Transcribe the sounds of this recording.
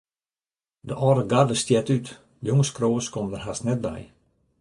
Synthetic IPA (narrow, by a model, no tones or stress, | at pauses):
dəʔɔdəɡardəstjɛtyt | joŋəskroːskɔmdərɦasnɛt̚bɛ̰j